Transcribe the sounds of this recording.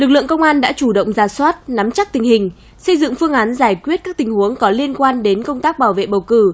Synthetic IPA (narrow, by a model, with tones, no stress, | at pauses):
lɨ˨˩k̚lɨ̰˧əŋkə˧wŋ͡mʔaː˧nɗa̰ː˧˥t͡ɕu˧˩ɗə̰˧˨wŋ͡mzaː˨˩swaː˦˥t̚na˨˦mt͡ɕa˦˥k̚t̪ï˨˩ŋ̟hï˨˩ŋ̟ | sə˧jzɨ̰˧˨ŋfɨ˧əŋʔaː˨˦nzaː˧˩jkwi˦˥ət̚kaː˦˥k̪̚i˨˩ŋhu˨˦əŋkɔ˨˦li˧ənkwaː˧nɗe˨˦nkə˧wŋ͡mt̪aː˦˥k̚ɓaː˧˩wvḛ˧˨ɓə˨˩wkɨ˧˩